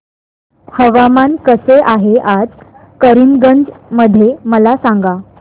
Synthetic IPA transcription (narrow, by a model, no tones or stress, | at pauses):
həʋamankəseʔaɦeʔad͡z | kəɾinɡənd͡zməd̪ʱːjeməlasaŋɡa